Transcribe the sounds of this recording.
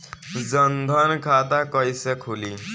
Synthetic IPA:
d͡zʌnd̪ʱʌnkʰat̪akʌjsekʰuli

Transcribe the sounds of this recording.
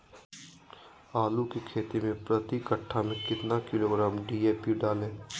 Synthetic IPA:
aːlukikʰeːt̪imẽpɾɐt̪ikəʈʰːamẽkɪt̪nakɪloːɡɾaːmɖiːeːpuɖaːlẽː

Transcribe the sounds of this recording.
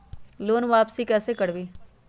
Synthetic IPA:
loːnʋaːpsikɛːsekɐɽbiː

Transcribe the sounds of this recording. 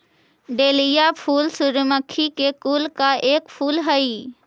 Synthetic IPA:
ɖeːlijapʰuːlsuɾməkʰːikekuːlkaeːkpʰuːlɦəi

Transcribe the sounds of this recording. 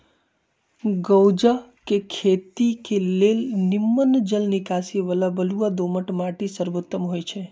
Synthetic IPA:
ɡəwd͡ʒakekʰet̪ikelelnimːənd͡ʒəlnikasieʋəlabəluad̪oməʈmaʈisəɾʋot̪ːəmɦojt͡ʃʰe

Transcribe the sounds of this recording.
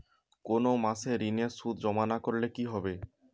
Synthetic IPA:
konomaseɾinesud̪d͡ʑɔmanakoɾlekiɦɔbe

